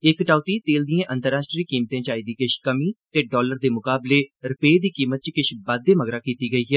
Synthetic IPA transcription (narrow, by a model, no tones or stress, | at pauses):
ɪkːʈaːʊt̪iːt̪eːld̪ijẽːʔə̃nt̪əɾaːsʈɾiːkiːmt̪ẽːt͡ʃaːiːd̪iːkɪʃkəmiːt̪eːɖɔːləɾd̪eːmʊkaːbleːɾɪpeːd̪iːkiːmət̪̚t͡ʃkɪʃʰbəd̪ːeːməɡɾaːkiːt̪iːɡəiːɦɛː